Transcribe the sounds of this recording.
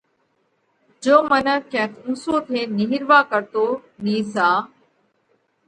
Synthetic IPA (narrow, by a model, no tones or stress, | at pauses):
d͡ʒoːmənəkɛ̃ːkʰũːsoːt̪ʰeːnɪɦɪɾʋaːkəɾt̪oːniːsaː